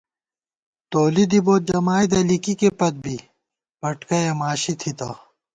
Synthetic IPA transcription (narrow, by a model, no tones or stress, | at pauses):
t̪oːlid̪iboːt̪̚d͡ʑɐmaːjd̪ɐlikikepɐt̪̚bʱi | bɐʈkɐjɐmaːɕit̪ʰit̪aː